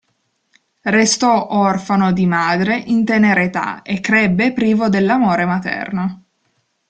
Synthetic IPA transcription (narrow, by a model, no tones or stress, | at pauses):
rest̪ɔʔɔrfanod̪imaːd̪ɾeʔint̪eneɾet̪a̰ekːɾɛbːepɾiːvod̪elːamoːɾemat̪ɛ̰rno